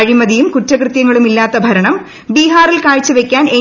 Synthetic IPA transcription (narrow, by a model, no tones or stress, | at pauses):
ɐɻimɐðijumkutːɐkrɨt̪jɐŋːɐɭumilːaːt̪ːɐbʱɐɾɐɳɐm | biːɦaːrilkaːɻt͡ɕːɨʋe̞kʲːaːne